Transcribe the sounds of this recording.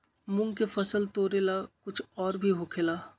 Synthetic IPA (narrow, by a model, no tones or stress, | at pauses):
mʊ̃ŋkefɐsəlt̪oːɾelakʊt͡ʃʰɔːɾbʱiɦokʰelaː